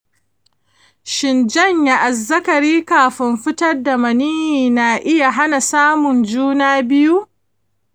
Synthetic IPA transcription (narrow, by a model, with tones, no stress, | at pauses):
ʃɪ˨nd͡ʒɐ˦ɲja˦ʔa˨zːɐ˦kɐ˨ɾiː˦kaː˨ɸɪ˦mɸɪ˦tɐ˦rda˨mɐ˨niː˦hiː˨na˨ʔɪ˦ja˨ɦa˦na˨saː˦mʊ˨nd͡ʒuː˦naː˦bɪ˦ju˦ʔ